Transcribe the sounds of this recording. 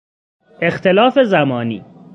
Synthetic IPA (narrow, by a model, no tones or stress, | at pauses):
ʔext̪ʰelɒːfe̞zæmɒːnḭː